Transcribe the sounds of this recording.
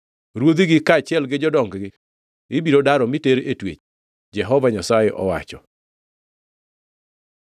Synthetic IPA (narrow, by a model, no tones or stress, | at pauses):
ɾwod̪iɡɪkaːt͡ʃjɛlɡɪd͡ʒɔdɔŋɡɡɪ | ɪbiɾodaɾɔmiteɾetwḛt͡ʃ | d͡ʒɛɦɔvaɲasajɛʔɔ̰wa̰t͡ʃɔ